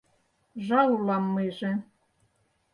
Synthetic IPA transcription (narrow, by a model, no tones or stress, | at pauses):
ʒɑulɑmːeʒĕ